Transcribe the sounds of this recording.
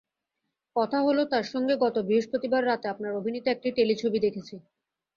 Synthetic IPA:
kɔt̪ʰaɦolot̪aɾʃɔŋɡeɡɔt̪obɾiɦoʃpɾot̪ibaɾːat̪eapnaɾobʱinit̪oek̚ʈiʈelit͡ɕʰobid̪ekʰet͡ɕʰi

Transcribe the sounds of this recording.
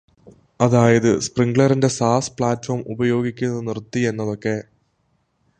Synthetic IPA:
ɐðaːjɐðɨspriŋɡɭɐrinde̞saːspɭaːtfoːrmubɐjo̞ːɡikʲːunːɐðɨnirt̪ːie̞nːɐðo̞kːe̞

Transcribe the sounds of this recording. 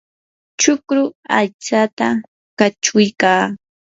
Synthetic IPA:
t͡ʃʊkɾʊajt͡sat̪a | kat͡ʃʊjkaː

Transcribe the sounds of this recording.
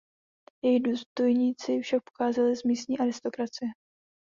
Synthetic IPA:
jɛjiduːst̪o̞jɲiːt͡sɪfʃak̚poxaːzalɪzmiːst̪ɲiːʔaɾɪst̪o̞kɾat͡sɪjɛ

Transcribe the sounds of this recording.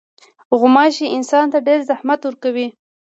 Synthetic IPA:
ɣʊmɑʃiʔɪnsɑnt̪aɖeɾzahmat̪wəɾkawi

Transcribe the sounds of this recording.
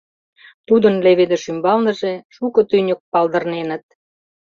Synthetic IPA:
t̪ud̪ənleβed̪eʃymbɑlnə̆ʒeʃukɤ̆t̪ynʲək̚pɑld̪ə̆rnenə̆t̪̚

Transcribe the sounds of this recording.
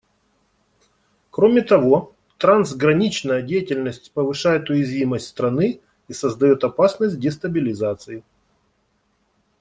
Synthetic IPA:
kɾomʲɪt̪ɐvo̞ | t̪ɾanzɡɾɐnʲit͡ɕnəjədʲejɪtʲɪlʲnəsʲtʲpəvɨʂajɪt̪ʊjɪzvʲiməsʲtʲst̪ɾɐnɨ | isəzd̪ɐjo̞t̪ɐpasnəsʲt̚ʲdʲɪst̪əbʲɪlʲɪzat̪sɨɪ

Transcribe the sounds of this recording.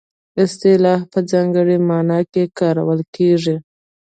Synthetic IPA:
ɪst̪ɪlɑfpəd͡zɑŋɡəɽemɑnɑkekɑɾa̰wəlkeʐi

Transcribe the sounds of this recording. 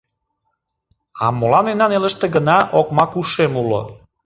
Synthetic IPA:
ɑ̰molɑnenɑneləʃt̪eɡənɑʔokmɑkuʃemulo̰

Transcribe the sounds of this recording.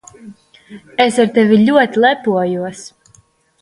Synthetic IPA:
esaɾt̪ɛvilʲuɔt̪ilˠɛpuɔjuɔs

